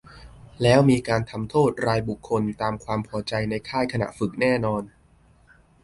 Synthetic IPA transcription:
lɛː˦˥wmiː˧kaː˧nt̪ʰa˧mt̪ʰoː˥˩t̪̚ɾaː˧jbu˨˩kʰːo˧nt̪aː˧mkʰwaː˧mpʰɔː˩˦t͡ɕa˧jna˧jkʰaː˥˩jkʰa˧na̰˨˩fɯ˨˩k̚nɛː˥˩nɔː˧n

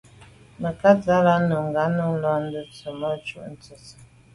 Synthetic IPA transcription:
mə˨ka˦za˦la˦nu˨ŋ˨ɡa˨˦nu˦lɔ˦n̩˦də˦t͡sə˨mə˦t͡ʃṵ˦ʔn̩˦t͡sə˨s

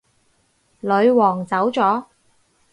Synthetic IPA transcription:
lɵ˨˧ɥwɔː˨˩ŋt͡sɐ˨˥wt͡sɔː˨˥

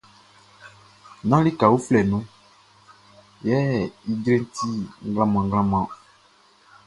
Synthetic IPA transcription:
nã˦li˦ka˨wu˦flɛ˨nũ˦ | jɛ˦i˦ɡɾe˦n˦t̪ʰi˦ŋ˦ɡlã˦mã˨ŋ˦ɡlã˦mã˨

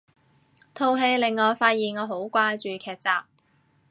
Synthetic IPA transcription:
t̪ʰo˧wɦe˧jlɪ˨ŋːɔː˨˧jfaː˧t̚jiː˨nŋɔː˨˧ɦo˨˥wkʷaː˧jt͡ʃyː˨kʰɛː˨˩t̚t͡saː˨p̚

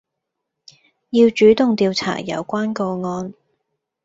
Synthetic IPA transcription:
jiː˧wt͡ʃyː˨˥t̪ʊ˨ŋt̪iː˨˧wt͡sʰa̰ː˨˩jɐ̰˨˧wkʷaː˥nkɔː˧ŋɔː˧n

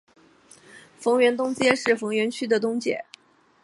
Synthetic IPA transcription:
fɤ˧˥ŋɥɛ˧˥nt̪ʊ˥ŋt͡ɕjɛ˥ʂɻ̩˥˩fɤ˧˥ŋɥɛ˧˥nt͡ɕʰy˥d̪ə˨t̪ʊ˥ŋt͡ɕjɛ̰˨˩˦

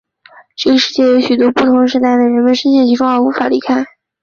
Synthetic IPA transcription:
ʈ͡ʂɤ˥˩ɡə˩ʂɻ̩˥˧t͡ɕjɛ˥˩jo˧˥ʊɕy˨˩t̪wɔ˥pu˥˩t̪ʰʊ˧˥ŋʂɻ̩˧˥t̪a˥˩ɪd̪ə˩ɻə˧˥nmə˧nʂə˥nɕ̬jɛ˥˩nt͡ɕʰi˧˥ʈ͡ʂʊ˥ŋə˞˧˥u˧˥fa˨˩li˧˥kʰa˥ɪ

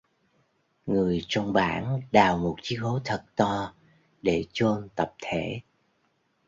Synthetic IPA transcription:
ŋɨ˨˩əjt͡ɕɔ˧wŋ͡mɓa̰ː˧˥nɗaː˨˩wmo˨˩t̚t͡ɕi˨˦ho˨˦t̪ʰə˨˩t̚t̪ɔ˧ | ɗe˧˩t͡ɕo˧nt̪ə˨˩p̚t̪ʰe˧˩

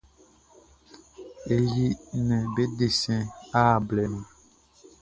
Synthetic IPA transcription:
e˨ji˦nɛ̃˨be˦de˨sɛ̃˦a˦˨blɛ˨nũ˨

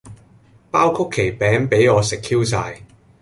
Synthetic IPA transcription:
paː˥wkʰʊ˥kʰːe˨˩jpɛː˨˥ŋpe˨˥jŋɔː˨˧sɪ˨kʰiː˥wsaː˧j

